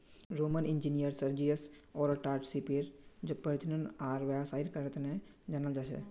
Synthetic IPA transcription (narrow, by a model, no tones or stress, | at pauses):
ɾoːmənɪ̃nd͡ʒinijəɾsəɾd͡ʒijəsɔːɾəʈaːɾʈsipeɾd͡ʒopəɾt͡ʃnənaːɾʋɛbsaːɪlkəɾət̪nẽ | d͡ʒanəld͡ʒaːsɛ̰ː